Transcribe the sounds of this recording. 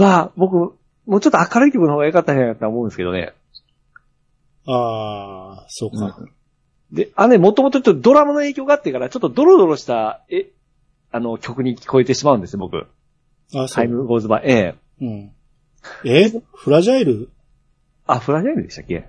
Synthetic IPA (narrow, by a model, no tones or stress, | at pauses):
abo̞kɯ̟ | moːt͡ɕot̪ːoakaɾɯ̟ik̬ʲo̞kɯ̟nhoːɡajokat̪ːaiajkat̪ːaaomoɯ̃nesɨkeo̞̰nḛ | aː | soːkɯ̟̃ɴ | d̪e̞anonemo̞t̪o̞mot̪ot͡ɕotːd̪o̞ɾamanoe̞ːkʲoːɡaːt̪ːe̞kaɾat͡ɕo̞t̪ːod̪o̞ɾo̞d̪o̞ɾo̞ɕi̥t̪ae | ano̞kʲo̞kɯ̟ɲ̟ikʲi̥ko̞e̞t̪e̞ɕimaɯ̟̃nd̪sɨjobo̞kɯ̟̰ | at̪ʰaimɯ̟ɡo̞ːzɨba̰e̞ː | ɯ̃ | eɸɯ̟ɾaʑaiɾɯ | aɸ̟ɾaʑaiɾɯ̟d̪e̞ɕt̪ḁkʲːe̞̰